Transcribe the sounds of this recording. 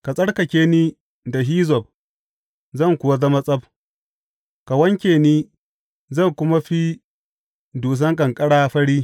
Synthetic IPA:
ka˨sʼɐ˦ɽkɐ˨kʲeː˦niː˦ | da˨ɦiː˦zɔ˨b̚ | zɐ˦˨ŋkʷʊ˨wa˦zɐ˦ma˦sʼɐ˦b̚ | ka˨wɐ˦ŋkʲeː˨niː˦ | zɐ˦˨ŋkʷʊ˦ma˦ɸi˦ | duː˨s̬ɐ˦ŋkʼɐ˨ŋkʼɐ˦ɽaː˦ɸɐ˦ɽiː˦

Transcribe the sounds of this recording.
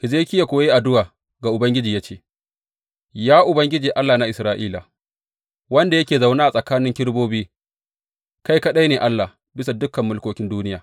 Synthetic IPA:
ʔɪ˨zeː˦kʲɪ˦ja˨kʷoː˨je˦ʔa˨dʊ˦waː˨ | ɡa˨ʔʊ˨bɐ˦ŋɡʲɪ˦d͡ʒiː˨ja˦t͡ʃeː˦ | jaː˦ʔʊ˨bɐ˦ŋɡʲɪ˦d͡ʒiː˨ʔa˦lːaː˨na˦ʔɪ˨sɾaː˦ʔiː˦la˨ | wɐ˦nda˨jɐ˦kʲeː˨za˨wnaː˦ʔa˨sʼɐ˨kaː˦nɪ˦ŋkʲɪ˦ɽboː˦biː˦ | ka˦jkɐ˦ɗa˦neː˨ʔa˦lːa˨ | bɪ˦sa˨dʊ˦kɐ˨mːʊ˦lkoː˦kʲɪ˦nduː˦nɪ˦jaː˨

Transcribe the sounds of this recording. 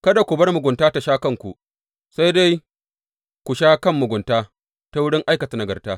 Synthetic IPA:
kɐ˦da˨kʷʊ˨bɐ˦rmʊ˨ɡʷʊ˨ntaː˦ta˨ʃaː˦kɐ˦ŋkʷṵ˨ | sa˦jda˦j | kʷu˨ʃaː˦kɐ˦˨mːʊ˨ɡʷʊ˨ntaː˦ | ta˦wʊ˦ɽɪ˦ŋʔa˦jkɐ˨ta˨nɐ˨ɡɐ˨rtaː˦

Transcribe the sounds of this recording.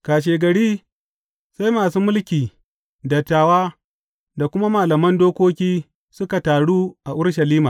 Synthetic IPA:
kaː˨ʃ̬eː˨ɡɐ˨ɽiː˦ | sa˦jmaː˨suː˦mʊ˦lkʲiː˨ | dɐ˨tːaː˨waː˦ | da˨kʷʊ˦ma˦maː˨lɐ˨mɐ˦ndoː˦kʷoː˦kʲiː˦ | sʊ˦ka˨taː˨ɽuː˦ʔa˨ʔʊ˦ɽʃa˨liː˦maː˨

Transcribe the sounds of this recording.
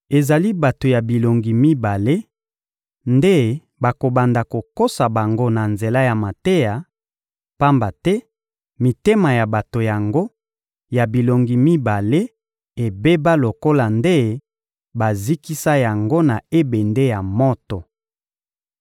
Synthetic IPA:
e˨za˨li˦ba˨to˨ja˨bi˨lo˨ŋɡi˨mi˦ba˨le˦ | nde˦ | ba˨ko˨ba˨nda˨ko˨ko˦sa˨ba˨ŋɡo˦na˨nze˨la˦ja˨ma˨te˦ja˨ | pa˦mba˨tɛ˦ | mi˨te˦ma˨ja˨ba˨to˨ja˨ŋɡo˦ | ja˨bi˨lo˨ŋɡi˨mi˦ba˨le˦ | e˨be˦ba˦lo˨ko˦la˨nde˦ | ba˨zi˦ki˦sa˦ja˨ŋɡo˦na˨e˦be˨nde˦ja˨mɔ˦tɔ˨

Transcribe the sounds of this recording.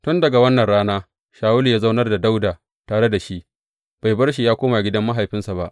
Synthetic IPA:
tʊ˦ndɐ˨ɡa˨wɐ˦nːɐ˨nɽaː˦naː˦ | ʃaː˨wʊ˦li˨jaː˦za˦wnɐ˦rda˨da˦wdaː˨ | taː˨ɽe˦da˨ʃi˦ʔ | b̥a˨jbɐ˦rʃ̬i˨jaː˦kʷoː˦ma˨ɡʲɪ˦dɐ˦mːa˦ɦa˨jɸɪ˦nsa˨ba̰˦ʔ

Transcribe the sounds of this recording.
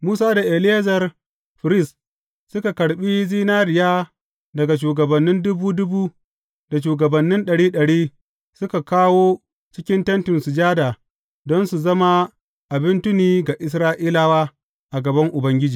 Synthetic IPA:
muː˦saː˦da˨ʔe˨lɪ˦e˦zɐ˨r | ɸɪ˨ɾɪ˦s | sʊ˦ka˨kɐ˨ɽɓiː˦ziː˦naː˦ɾɪ˨jaː˦ | dɐ˨ɡa˨ʃ̬uː˨ɡɐ˨bɐ˨nːɪ˦ndʊ˦buː˦dʊ˦buː˦ | da˨ʃ̬uː˨ɡɐ˨bɐ˨nːɪ˦nɗɐ˨ɽiː˦ɗɐ˨ɽiː˦ | sʊ˦ka˨kaː˦woː˦ | t͡ʃɪ˦kʲɪ˦ntɐ˦ntɪ˨nsʊ˨d͡ʒaː˦daː˨ | dɔ˦nsu˨zɐ˦ma˦ | ʔa˨bɪ˦ntʊ˦niː˦ɡa˨ʔɪ˨s̬ɾaː˦ʔiː˦la˦waː˦ | ʔa˨ɡɐ˨bɐ˦ŋʔʊ˨bɐ˦ŋɡʲɪ˦d͡ʒiː˨

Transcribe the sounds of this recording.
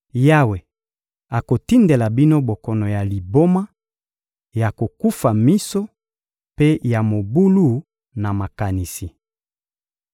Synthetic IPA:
ja˦we˨ | a˨ko˨ti˦nde˨la˨bi˦no˦bo˨kɔ˨nɔ˨ja˨li˨bo˦ma˦ | ja˨ko˨ku˦fa˨mi˦so˦ | pe˦ja˨mo˨bu˦lu˦˨ | na˨ma˨ka˨ni˨si˨

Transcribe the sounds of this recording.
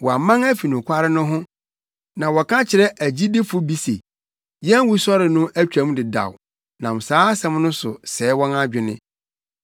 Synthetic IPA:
wɔ˨a˨mã˦ŋæ˦fi˨nʊ̃˨kʷʰa˦ɾɪ˦nʊ̃˦ɦʊ̃˦ | nã˨wɔ˨kʰã˦t͡ɕʰɪ˨ɾɛ˦ʔæ˨d͡ʑi˦dɪ˦fʊ˦bi˨sḛ˨ | jɛ̃˦n˦wu˦sɔ˦ɾɪ˨nʊ̃˦ʔæ˦t͡ɕᶣã˨˦m˦dɪ˨da̰˨w | nã˨m˨saː˦a˦sɛ̃˦mnʊ̃˦sʊ̰˨sɛː˨˦wɔ̃˦na˦d͡ʑᶣɪ˨nɪ̰̃˦

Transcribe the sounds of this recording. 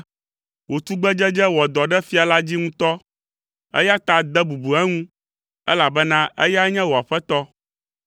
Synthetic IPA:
wo˨t̪u˦ɡ͡bɛ˦d͡ʒɛ˦d͡ʒɛ˦wɔ˨d̪ɔ˨ɖɛ˦fi˦a˨la˦d͡ʑi˦ŋũ˦t̪ɔ˦ | ɛ̰˦ja˦t̪a˨d̪ɛ˦bu˨bu˨ɛ˦ŋũ˦ | ɛ˦la˨bɛ˦nã˦ʔɛ̰˦ja˦ɲɛ̃˦wo˨a˨ɸɛ˦t̪ɔ˦

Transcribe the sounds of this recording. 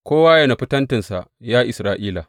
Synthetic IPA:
kʷoː˦waː˦jɐ˨na˨ɸɪ˦tɐ˦ntɪ˨nsa̰˨ | jaː˦ʔɪ˨sɾaː˦˨ʔiː˦la˨

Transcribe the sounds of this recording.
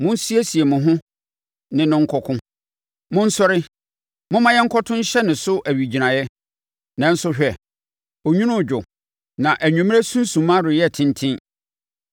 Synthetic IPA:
mʊ̃˦n˦si˦e˦si˨e˨mʊ̃˨ɦʊ̃˦ | nɪ̃˨nʊ̃˦ŋ̩˦kʰɔ˦kʰʊ̃˦ | mʊ̃˦n̩˦sɔ˦ɾɪ˦ | mʊ̃˦mã˦jɛ˦ŋ̩˦kʰɔ˦tʰʊ̃˦n̩˦ɕɛ˦nɪ̃˨sʊ˦ʔæ˨ɥi˨d͡ʑi˨nã˨jɛ˦ | nã˨˦n̩˦sʊ˦ɕᶣɛ˨ | o˨ɲᶣũ˦nʊ̃˦˨d͡ʑᶣʊ˨ | nã˨ʔæ˨ɲᶣũ˨m̃˦e˦sũ˦n˦sũ˨mã˦ɾʊ˨jɛ˦˨tʰɪ̃˦ntʰɪ̃˦n

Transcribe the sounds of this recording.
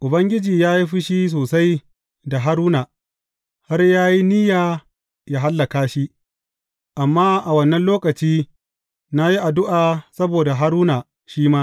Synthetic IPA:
ʔʊ˨bɐ˦ŋɡʲɪ˦d͡ʒiː˨jaː˦ji˦ɸɪ˦ʃi˦s̬oː˨sa˦j | da˨ɦa˦ɾuː˦naː˨ | ha˦rjaː˦ji˦nɪ˦jaː˨ | ja˦ɦa˦lːa˨kaː˦ʃi˦ | ʔa˨mːaː˦ʔa˨wɐ˦nːɐ˦nloː˦kɐ˨t͡ʃiː˦ | na˦ji˦ʔa˨dʊ˦ʔaː˨sɐ˦boː˨da˨ɦa˦ɾuː˦naː˨ | ʃiː˦maː˦

